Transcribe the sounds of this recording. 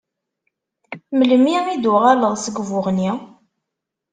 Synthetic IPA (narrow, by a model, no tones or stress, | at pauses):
mələmiʁid̪ʊʁaləʁsəɡvʊʁni